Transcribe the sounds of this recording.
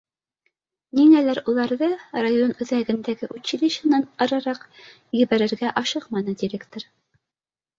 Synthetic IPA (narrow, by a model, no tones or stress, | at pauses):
niŋælæɾulˠɑɾðɤrajonɵ̆ðæɡɘ̆nd̪æɡɘʔʉɕilɘ̆ɕɤ̆nɑnɑɾɑɾɑq | jɘ̆βæɾɘ̆ɾɡæʔɑʃɤqmɑnɤd̪iɾʲekt̪oɾ